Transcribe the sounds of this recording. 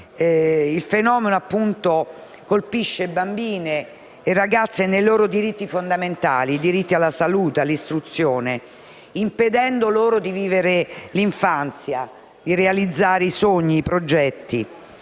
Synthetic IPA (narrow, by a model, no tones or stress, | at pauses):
ilfenɔːmenoapːunt̪o | kolpiʃːebambiːne | eraɡat̪sːenejloːɾod̪iɾit̪ːifond̪ament̪a̰ːlid̪iɾit̪ːialːasaluːt̪ealist̪ɾut̪sːjoːne | imped̪ɛnd̪oloːɾod̪iviːveɾeliɱfant̪sja | d̪̥irealid̪zːaːɾeisoɲːiːpɾod͡ʒɛt̪ːi